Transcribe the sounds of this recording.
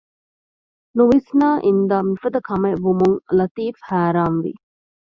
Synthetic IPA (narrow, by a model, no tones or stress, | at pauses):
nuʋisnaːʔind̪aːmifɐd̪ɐkʰɐmeʋumuŋlɐt̪iːfhæːɾaːnʋḭ